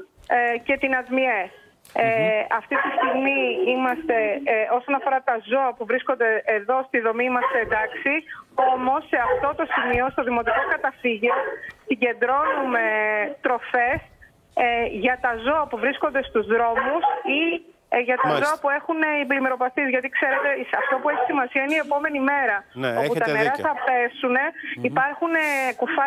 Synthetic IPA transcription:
ce̞t̪inɐzmies | ɐft̪it̪ist̪iɣmiimɐst̪e̞o̞so̞nɐfo̞ɾɐt̪ɐzo̞ɐpuvɾisko̞nd̪e̞ʔeðo̞st̪iðo̞mimɐstend̪ɐksio̞mo̞sːe̞ɐft̪o̞t̪o̞simio̞st̪o̞ðimo̞t̪ikoskɐt̪ɐfiʝessiɲɟe̞nd̪ɾo̞nume̞t̪ɾo̞fe̞s | ʝɐt̪ɐzo̞ɐpuvɾiskond̪e̞st̪uzðɾo̞musi | ʝɐt̪ɐzoɐpue̞xuneiblimeɾo̞pɐθizʝɐt̪ikse̞ɾe̞t̪e̞ɐft̪o̞pueçi̥simɐsiɐineie̞po̞me̞nime̞ɾɐoput̪ɐneɾɐθɐpe̞sune̞ipɐɾxunekufɐ

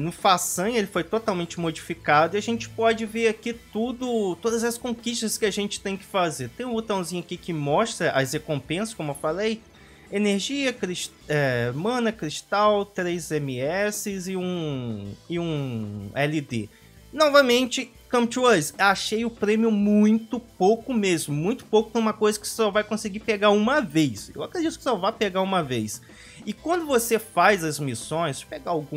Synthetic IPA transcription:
nʊfasɐ̃elɪfojt̪ot̪awmẽnt͡ʃɪmod͡ʒifikad̪ʊiaʒẽnt͡ʃɪ̥pɔd͡ʒɪveɾakit̪ud̪ʊt̪od̪ɐzɐskõkiʃt̪ɐskɪaʒẽnt͡ʃɪ̥t̪ẽj̃kɪ̥fazeɾt̪ẽj̃ũbot̪ɐ̃w̃zĩɲʊakikɪmɔʃt̪ɾɐʔɐhekõmpẽsɐskõmʊewfalej | eneɾʒiɐkɾiʃ | ɛmɐ̃nɐkɾiʃt̪awt̪ɾejzẽmiɛsɪzɪũ | ɪũɛlid̪ḛ | nɔvɐmẽnt͡ʃɪ | kɐ̃mpt͡ʃɐzaʃejʊpɾẽmjʊmũj̃t̪ʊpowkʊmezmʊmũj̃t̪ʊ̥powkʊ̥k̪umɐkojzɐkɪ̥sɔvajkõsɪɡipeɡaɾũmɐvejsḛwakɾed͡ʒit̪ʊ̥kɪ̥sɔvajpeɡaũmɐvejs | ɪkwɐ̃nd̪ʊvosefajzɐzmisõj̃speɡaawɡũ

